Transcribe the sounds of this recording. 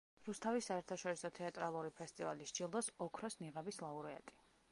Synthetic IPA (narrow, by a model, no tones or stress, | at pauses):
ɾust̪ʰavisːaɛɾt̪ʰaʃɔɾisɔt̪ʰɛat̪ʼɾalˠuɾipʰɛst̪ʼivaliʃt͡ʃilˠd̪ɔsɔkʰɾɔsniʁɛbislˠauɾɛa̰t̪ʼi̥